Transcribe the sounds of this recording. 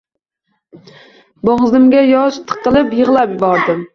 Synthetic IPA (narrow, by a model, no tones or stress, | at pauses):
boŋzɪmɡʲajɒʃt̪ʰɨ̥qːɨlˠɪpjɨʁlˠapjɪbɒɾd̪ɪm